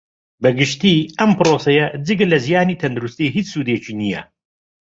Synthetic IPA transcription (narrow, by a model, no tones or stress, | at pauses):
bɐɡɪʃt̪iːɐmpɨɾoːsɐjɐd͡zɨɡlɐzijaːniːt̪ʰɐnd̪uɾust̪iːɦiːt͡ssuːd̪et͡ʃiːnijɐ̰